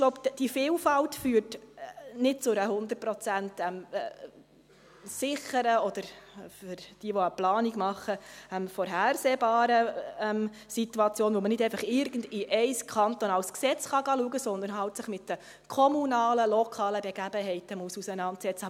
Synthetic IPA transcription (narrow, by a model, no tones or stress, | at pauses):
ɡ̥loʊbd̥ifɪːlfɑltfyːrtnɪt̚t͡sʊɾəɦʊnd̪ərt̚pɾɔt͡sæntɛm | sɪχəɾəɔd̪̥əɾfʏɾd̥iːʋɔəplɑːniɡmɑχːəɛmfɔɾɦæːrseːbɑːɾəɛm | sit̪uɑt͡sjoːnʋomənɪdɛɪfɑχɪɾɡəndiʔɛɪskʰɑnt̪onɑwsksɛt͡sχɑɡɑːluəɡəsɔnd̪əɾnɦɑltsəχmɪt̪d̥ə | kʰɔmunɑːləlɔkʰɑːləbɛɡæbəɦɛɪtəmuəsusənɑntsɛt͡sə